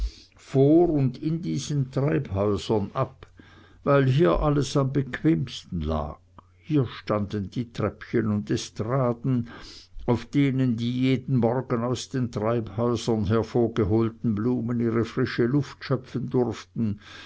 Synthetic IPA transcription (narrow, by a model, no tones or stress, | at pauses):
foːʁʊndɪndiːz̥əntʁ̥aɪphɔʏzɐnʔap | vaɪlɦiːɐʔaləsambəkʰv̥eːmstn̩la̰ːɡ̚ | hiːɐʃtandənd̥iːtʁ̥ɛpçənʊntɛstʁaːdn̩aʊfd̥eːnəndiːjeːdn̩mɔʁɡənaʊsd̥eːntʁ̥aɪphɔʏzɐnɦɛɐfoːɐɡəɦoːltn̩bluːməniːʁəfʁ̥ɪʃəlʊftʃœpfəndʊʁftn̩